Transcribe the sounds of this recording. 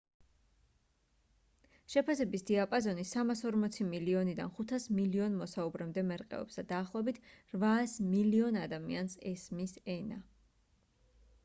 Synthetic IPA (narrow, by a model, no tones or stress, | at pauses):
ʃɛpʰasɛbisd̪̥iapʼazɔnisamasɔɾmɔt̪sʰimiliɔnid̪a̰nχut̪ʰasmiliɔnmɔsaubɾɛmd̪ɛmɛɾqʼɛ̰ɔ̰bsd̪ad̪aːχlˠɔɛbit̪ʰɾvaːsmiliɔnad̪amiansɛsmisɛna